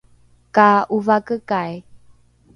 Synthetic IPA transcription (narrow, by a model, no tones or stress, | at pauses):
kauvakəkaj